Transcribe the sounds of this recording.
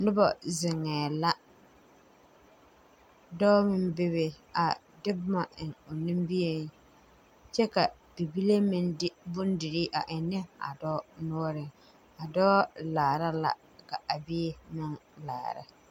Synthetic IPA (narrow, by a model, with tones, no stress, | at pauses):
nʊ˦bɔ̰˨zɪ˨ŋːɛː˨la˦ | dɔː˦mɪ˦mbɪ˦βɪ˦ | a˨ | dɪ˦bʊ˦ma˨ʔɪ˨ŋo˨nɪ˦mbi˦je˦ŋ | t͡ʃɛ˦ka˨ | b̥i˨bi˦le˦mɪ˦ndɪ˦bʊ˦ndɪ˨ɾi˦ʔa̰˨ʔɪ˨nɪ˦a̰˨dɔː˦nɔ˦ɾɪ˨ | a˨dɔː˦laː˨ɾa˦la̰˨ | ka˨ʔa˨bi˦mɪ˦ŋla̰ː˨ɾa̰˦